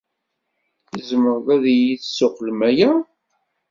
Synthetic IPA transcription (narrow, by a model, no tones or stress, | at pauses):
θizməɾðæðjiθsːʊqlmæjæ